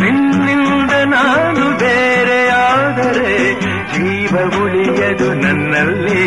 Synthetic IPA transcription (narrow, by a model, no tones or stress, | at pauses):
ninːind̪ɐnaːnubeːɾeaːd̪ɐɾe | d͡ʒiːʋɐmuɭijɐd̪unɐnːɐlːi